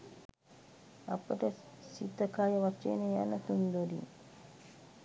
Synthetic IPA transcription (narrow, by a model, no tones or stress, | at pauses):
ɐ̰pːɐʈɐ | sit̪ːɐkaːjɐʋɐt͡ʃːḛneja̰nɐt̪und̪oɾḭ